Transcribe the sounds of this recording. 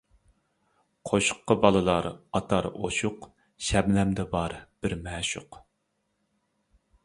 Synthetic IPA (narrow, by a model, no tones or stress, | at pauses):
qʰoʃʊ̥qːəbɑlˠɨlˠɑɾɑt̪ʰɑɾo̰ʃʊq | ʃɛblɛmd̪ɛbɑɾb̥ɪɾmɛːʃʊq